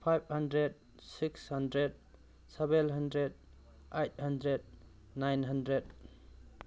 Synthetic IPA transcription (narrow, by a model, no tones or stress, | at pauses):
pʰajb̚handɾed̚ | sikshɐndɾed̚ | sɛbelɦandɾed̚ | ejt̚handɾed̚ | najnɦandɾed̚